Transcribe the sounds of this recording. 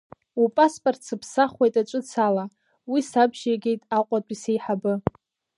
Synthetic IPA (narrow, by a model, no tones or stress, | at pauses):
upʼaspʼortʰsɨpʰsaχʷejtʼat͡ʃʷʼɨt͡sʰala | wisabʒaɡʲe̞jtʼaqʷʼatʷʼisejħabɨ